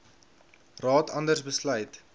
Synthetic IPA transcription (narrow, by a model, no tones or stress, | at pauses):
rɑːtʰɐndərsbəslœjt